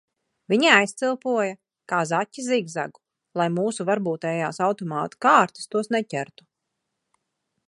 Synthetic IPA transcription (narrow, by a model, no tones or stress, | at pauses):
vʲiɲiajst̪silˠpuɔja | kaːzatʲːiziɡza̰ɡu̥ | lˠajmuːsuvaɾbuːt̪ɛːjaːsawt̪ɔmaːt̪kaːɾt̪i̥st̪uɔsnɛcʲæɾt̪u̥